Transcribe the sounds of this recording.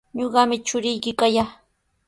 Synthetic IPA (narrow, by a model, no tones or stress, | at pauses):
ɲoɢɑmɪt͡ʃʊɾɪjkɪkaja